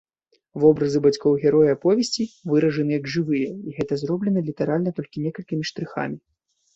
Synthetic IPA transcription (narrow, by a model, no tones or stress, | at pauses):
vɔbɾɐzɨbat͡sʲkɔwɣʲɛɾɔjapɔvʲɛsʲt͡sʲivɨɾɐʐɐnɨjɐɡʐɨvɨjɛiɣɛt̪ɐzɾrɔblʲɛnɐlʲit̪ɛɾalʲnɐt̪ɔlʲkʲinʲɛkɐlʲkʲimʲiʂt̪ɾɨxa̰mʲi